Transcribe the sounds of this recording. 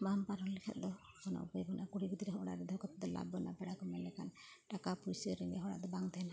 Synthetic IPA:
mampaɾɔllɛkʰɛ̰t̪̚ˀd̪ɔ | kʰɔnɔ̰ṵpɔjbɔnʔakuɽiɡud̪iɾɛɦɔɽa̰d̪ɛd̪ʱɔkɔt̪d̪ɔla̰bːɔna̰bɛɽakɔmɛnlɛkʰan | ʈakapuɾisɔɾːiŋɛɦɔɽa̰ʔd̪ɔbaŋt̪ana

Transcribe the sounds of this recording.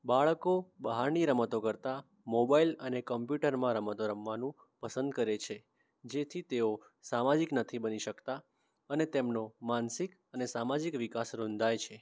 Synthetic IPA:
baɭkobəɦaɾniɾəmət̪okəɾt̪a | mobailənekəmpjuʈəɾmãɾəmət̪oɾəmʋanũ | pəsənd̪̚kəɾet͡ʃʰe | d͡ʒet̪ʰit̪eo | samad͡ʒiknət̪ʰibəniʃəkt̪a | ənet̪emnomansik | ənesamad͡ʒikʋikasɾõnd̪ʱajt͡ʃʰe

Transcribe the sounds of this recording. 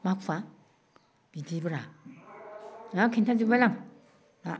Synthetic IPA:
makfa | b̥idibəɾa | akʰintʰad͡ʒubalaŋ | a

